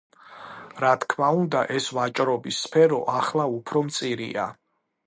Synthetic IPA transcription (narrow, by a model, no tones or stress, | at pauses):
ɾat̪ʰkʰmaund̪a̰ʔɛsvat͡ʃʼɾɔbisːpʰɛɾɔʔaχlˠaupʰɾɔmt̪sʼiɾḭa̰